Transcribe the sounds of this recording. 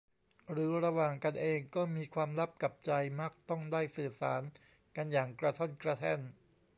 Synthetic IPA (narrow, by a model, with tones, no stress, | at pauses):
ɾɯː˩˦ɾa˧waː˨˩ŋka˧nʔeː˧ŋkɔː˥˩miː˧kʰwaː˧mɾa˦˥p̚ka˨˩p̚t͡ɕa˧jma˦˥k̚t̪ɔ˥˩ŋdaː˥˩jsɯː˨˩sa̰ː˩˦n | ka˧njaː˨˩ŋkɾa˧t̪ʰo˥˩nkɾa˧t̪ʰɛ˥˩n